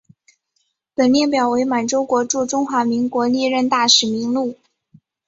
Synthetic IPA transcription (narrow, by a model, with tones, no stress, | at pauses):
pə˨˩nljɛ˥˩npjɑ˨˩ʊwe˧˥ɪma˨˩nʈ͡ʂo˥ʊkwɔ˧˥ʈ͡ʂu˥˧ʈ͡ʂʊ˥ŋxwa˧˥mi˧˥ŋkwɔ˧˥li˥˧ɻə˥˧nt̪a˥˩ʂɻ̩˨˩mi˧˥ŋlu˥˩